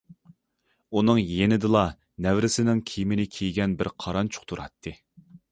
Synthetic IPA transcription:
unɨŋjenɪd̪ɨlˠɑ | nɛvɾɪsɪnɪŋkʲʰijmɪnɪkʲʰijɡʲɛnbɪɾqʰɑɾɑnt͡ʃʰʊ̥χt̪ʰuɾɑ̰t̪ʰːɨ

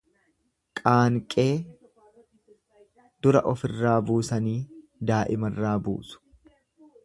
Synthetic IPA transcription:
kʼaːŋkʼe̞ː | d̪̥ʊɾɐ̰ʔɔfɪrːaːbuːsɐniː | d̪aːʔɪmɐrːaːbṵːsʊ̥

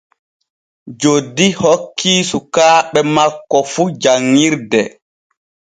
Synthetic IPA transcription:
d͡ʒodːihokːiːsukaːɓɛmakːɔfud͡ʒaŋːiɾdɛ

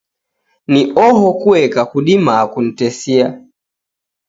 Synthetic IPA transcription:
niʔɔɦɔkuɛkakuɗimakun̩tɛsia

